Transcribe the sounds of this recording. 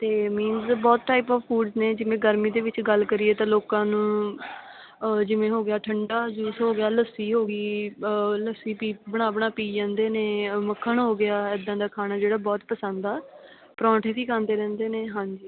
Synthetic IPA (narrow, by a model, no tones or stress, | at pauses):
t̪eːmiːnzbɔːt̪̚ʈaːipɔːʋpʰuːɖzneːd͡ʒɪʋẽːɡəɾmiːd̪eːʋɪt͡ʃɡəlkəɾɪeːt̪ãːloːkãːnũː | d͡ʒɪʋẽːɦoːɡɪjaːʈʰəɳɖaːd͡ʒuːsɦoːɡɪjaːləsiːɦoːɡiː | ləsiːpiːbəɽ̃aːʋəɳ̃aːpiːd͡ʒãːnd̪eːneːməkʰːəɳɦoːɡɪaːɛːd̪ãːd̪aːkʰaːnaːd͡ʒeːɽaːbɔːt̪pəsənd̪aː | pɾɔ̃ːʈʰẽːt̪ʰiːkʰãːnd̪eːɾɛ̃ːnd̪eːneːɦãːɲd͡ʒiː